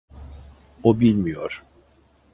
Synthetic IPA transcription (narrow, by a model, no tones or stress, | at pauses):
obilʲmijoɾ̥